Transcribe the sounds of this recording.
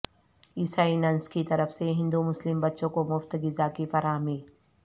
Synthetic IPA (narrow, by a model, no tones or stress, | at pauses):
isaːinɐnskit̪ɐɾəfseɦɪ̃nd̪umʊslɪmbɐt̪ːʃõkomʊft̪ɡɪzakifɐɾaːɦmiː